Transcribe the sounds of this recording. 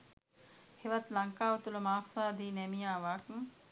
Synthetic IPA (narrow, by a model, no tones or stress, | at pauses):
heʋɐt̪laŋkaːʋət̪uləmaːksaːd̪iːnɛmijaːʋaːkŋ